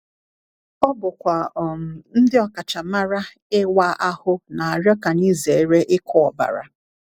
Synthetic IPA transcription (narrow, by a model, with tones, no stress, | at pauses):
ɔ˦bʊ˨kʷa˨n̩˦dɪ˦ɔ˨ka˨t͡ʃa˨ma˦ɾa˦ | ɪ˦wa˦ʔa˦hʊ˦na˨a˨ɾjɔ˦ka˨ni˦ze˨˦ɾe˦ʔɪ˦kʰɔ˦ɔ˨ba̰˨ɾa̰˨